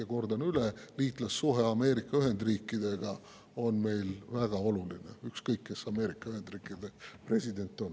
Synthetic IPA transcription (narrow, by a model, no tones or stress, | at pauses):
eko̞rd̪ɑnyleliːt̪ˑlɑsːuɦe̞ɑme̞ːɾikːˑɑyɦe̞nd̪riːkːˑid̪̥e̞ɡ̥ɑ | o̞nme̞jlvæɡ̥ɑo̞luline̞̰ykskɤjkːe̞sɑme̞ːɾikːˑɑyhe̞nd̪riːkːˑid̪e̞pre̞sʲid̪e̞nt̪ːˑo̞n